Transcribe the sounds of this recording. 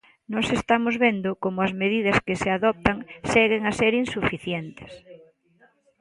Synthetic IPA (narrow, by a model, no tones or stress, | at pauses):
nɔsest̪amozβend̪ʊkomʊɐzmeðiðɐskeseaðɔp̚t̪aŋsɛɣeŋaseɾinsufiθjent̪e̥s